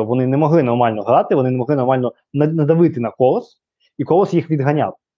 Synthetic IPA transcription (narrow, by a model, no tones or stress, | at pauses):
ʋɔnɪnɛmɔɦlˠɪnɔrmɑlʲnɔɦɾɑt̪ɪʋɔnɪnɛmɔɦlˠɪnɔrmɑlʲnɔ | nɐnɐd̪ɐʋɪt̪ɪnɐkɔlˠɔs | ikɔlˠɔsjixʋʲid̪ɦɐnʲa̰w